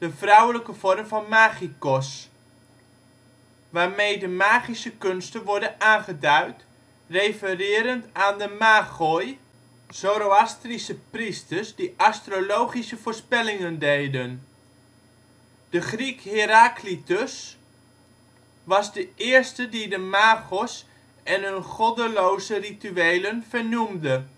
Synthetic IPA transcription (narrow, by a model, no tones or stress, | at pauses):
d̥əfrawələkəv̥ɔrmvɑnmaːχikɔs | ʋaːrmejdəmaːχisəkønstənʋɔɹdənaːnχədœɥt | rejfərɪːɾəntaːndəmaːχoj | zoɾoastrisəpristərsdiʔastrolowχisəvʊːɹspɛlɪŋəndejdən | d̥əχrikhɪɾaklitəs | ʋɑzdəʔɪːɹstədidəmaːɣɔs | ɛnɦənχɔdəlowzərityejlənv̥əɹnumdə